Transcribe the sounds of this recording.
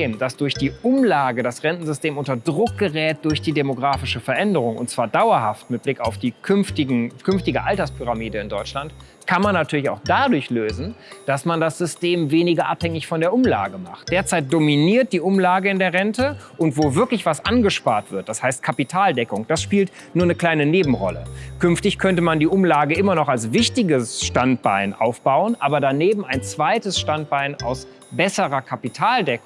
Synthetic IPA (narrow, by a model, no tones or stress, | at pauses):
eːmd̥asd̥ʊɐçd̥iːʊmlaːɡədasʁɛntn̩zʏsteːmʊntɐdʁʊk̚ɡ̥əʁɛːt̚d̥ʊɐçd̥iːdemoɡʁaːfɪʃəfɛɐʔɛndəʁʊŋʊ̰ntt͡sv̥aːɐdaʊɐɦaftmɪt̚b̥lɪkaʊfd̥iːkʰʏnftɪɡŋ̩kʰʏnftɪɡəʔaltɐspʰyʁamiːdəɪndɔʏt͡ʃlant | kʰanmanːatʰyːɐlɪçaʊxd̥adʊɐçløːzn̩d̥asmandasz̥ʏsteːmveːnɪɡɐʔa̰phɛŋɪçfɔndeːɐʔʊmla̰ːɡəma̰χt̚d̥eːɐt͡saɪt̚d̥ominiːɐt̚d̥iːʔʊmlaːɡəɪndeːɐʁɛntəʔʊntv̥oːvɪɐklɪçv̥asʔanɡəʃpaːɐtv̥ɪɐt̚d̥ashaɪst̚kʰapitʰaːldɛkʊŋd̥asʃpiːlt | nuːɐnəkl̥aɪnəneːbm̩ʁɔ̰lə̰kʰʏnftɪçkʰœntəmandiːʔʊmlaːɡəʔɪmɐnɔχalsvɪçtɪɡəsʃtant̚b̥aɪnʔa̰ʊfb̥aʊənʔaːbɐdaneːbm̩aɪnt͡sv̥aɪtəsʃtant̚b̥aɪna̰ʊs | bɛsəʁɐkʰapitʰaːldɛkŋ